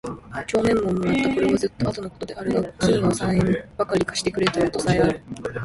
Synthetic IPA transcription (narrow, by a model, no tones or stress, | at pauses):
t͡ɕo̞ːmẽ̞mːo̞mːojat̪ːako̞ɾe̞βazɨt̪ːoat̪o̞no̞ko̥t̪o̞d̪e̞aɾɯ̟ɡ̪aɯt̪amʲinaosãẽmb̥akaɾʲikḁɕi̥t̪e̞kɯ̟ɾet̪ajot̪o̞saeaɾɯ̟